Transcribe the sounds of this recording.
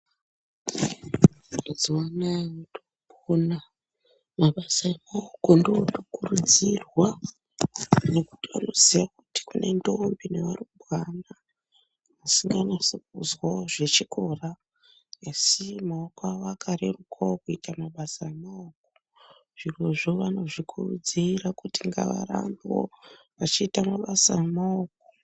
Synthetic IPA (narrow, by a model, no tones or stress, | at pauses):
ed͡ziwanawotoɓ | ona | maɓasaemaokondiotokurud͡zirwa | ne̞ku̥tiʋa̰no̞ziʋakuti̥kune̞nto̞mbineʋaruɓwanaː | siŋɡanasok̚uzwaʐe̞t͡ʃikʰo̞raː | simaokoaʋakʰaɾerukʰaokuitamaɓasaamaok̚o̥ | ʐ̥irwoʐoʋano̞ʐikʰurud͡zirakutiŋɡa̰ʋa̰ra̰mbo̰ | ʋat͡ʃiːtamaɓasaemaoːk̚o